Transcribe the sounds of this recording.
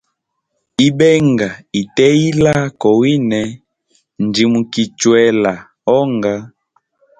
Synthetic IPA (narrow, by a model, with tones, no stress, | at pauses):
i˦bɛ˦ŋɡa˨i˨tɛ˦i˦la˦kɔ˨wi˦nɛ˨ | n˨di˨mu˨ki˨t͡ʃwɛ˨la˨ | ɔ˦ŋɡa˦